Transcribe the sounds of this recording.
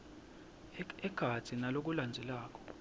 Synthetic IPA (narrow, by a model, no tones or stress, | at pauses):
ɛɡ̥ʱḁt͡sʰʼinalok̬uland͡zʱɛlaːk̬ʼɔ̥